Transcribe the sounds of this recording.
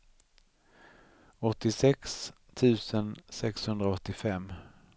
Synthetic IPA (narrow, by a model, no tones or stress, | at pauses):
ɔt̪ːɪsɛks | t̪ʰʉ̟ːsənsɛkshɵnd̪ɾaɔt̪ːɪfɛmː